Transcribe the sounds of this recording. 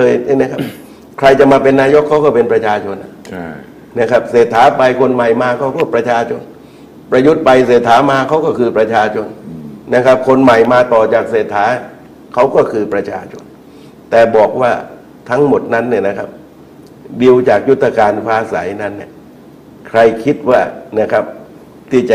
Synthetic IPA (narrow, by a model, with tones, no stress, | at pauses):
ɤː˧ja˥˩m˦˥kʰa˦˥p̚ | kʰɾa˧jt͡ɕa˨˩maː˧pe˧nːaː˧jo˦˥kʰːa˦˥wkɔː˥˩pe˧npɾa˧t͡ɕʰaː˧t͡ɕʰo˧nʔa˨˩ | na˦˥kʰa˦˥p̚seː˨˩t̪ʰːaː˩˦˥pa˧jkʰo˧nma˨˩jmaː˧kʰa˦˥wkɔː˥˩pɾa˧t͡ɕʰaː˧t͡ɕʰo˧n | pɾa˧ju˦˥t̪̚pa˧jseː˨˩t̪ʰːaː˩˦˥maː˧kʰa˦˥wkɔː˥˩kʰɯː˧pɾa˧t͡ɕʰaː˧t͡ɕʰo˧nːa˦˥˩kʰa˦˥p̚kʰo˧nma˨˩jmaː˧t̪ɔː˨˩t͡ɕaː˨˩k̚seː˨˩t̪ʰːaː˩˦ | kʰa˦˥wkɔː˥˩kʰɯː˧pɾa˧t͡ɕʰaː˧t͡ɕʰo̰˧n | t̪ɛː˨˩bɔː˨˩k̚waː˥˩ | t̪ʰa˦˥ŋmo˨˩t̪̚na˦˥nːi˧˩na˦˥kʰa˦˥p̚ | di˧wt͡ɕaː˨˩k̚ju˦˥t̪ʰːa˧kaː˧nkʰaː˧˥sa˩˦jna˦˥nːi˧˩ | kʰɾa˧jkʰi˦˥t̪̚waː˥˩na˦˥kʰa˦˥p̚ | t̪ʰiː˥˩t͡ɕa˨